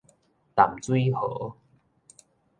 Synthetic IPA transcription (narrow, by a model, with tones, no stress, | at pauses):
t̪a˨˩mt͡swi˦hɤ˨˦